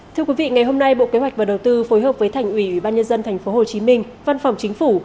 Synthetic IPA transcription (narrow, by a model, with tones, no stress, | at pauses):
t̪ʰɨ˧əkwi˨˦vḭ˧˨ŋa˨˩jɦo˧mna˧jɓo̰˧˨ke˨˦ɦwa˨˩jk̟vaː˨˩ɗə˨˩wt̪ɨ˧fo˨˦jɦəː˨˩p̚vəː˨˦jt̪ʰjŋ̟ʔwi˧˩ʔwi˧˩ɓaː˧nɲə˧nzə˧nt̪ʰɛ˨˩jŋ̟fo˨˦ɦo˨˩t͡ɕi˨˦mï˧ŋ̟ | va˧nfa˨˩wŋ͡mt͡ɕï˨˦ŋ̟fu˧˩